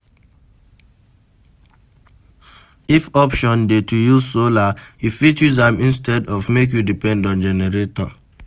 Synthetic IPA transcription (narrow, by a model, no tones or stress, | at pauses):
ifɔpʃɔ̃ndetujuzsolaifitjuzãmĩnstɛdɔvmek̬judipɛ̃ndɔ̃nd͡ʒɛnɛɹetɔ̰̃